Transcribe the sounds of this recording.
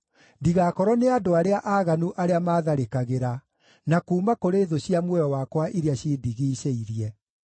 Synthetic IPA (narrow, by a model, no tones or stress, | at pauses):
diɣakɔɾɔneadoaɾeaʔaːɣanuʔaɾeamaːðaɾekaɣeɾa | nakuːmakoɾeːðoɕiamwɛjɔwakwaʔiɾeaɕiːdiɣiːɕeiɾijɛ